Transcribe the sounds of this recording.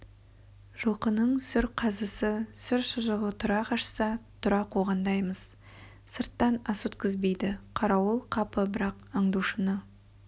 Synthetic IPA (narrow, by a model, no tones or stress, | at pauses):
ʒ̥əlˠqənəɴsʏɾqʰɑzəsəsʏɾʃʊʒəʁət̪ʰʊɾɑqʰɑʃsɑt̪ʰʊɾɑqʰoʁɑnd̪ɑjməz̥ | səɾt̪ːɑnɑsut̪kʲɪzbejd̪ɪqʰɑɾɑwəlˠqʰɑpəbɪɾɑqəɴd̪uʃənə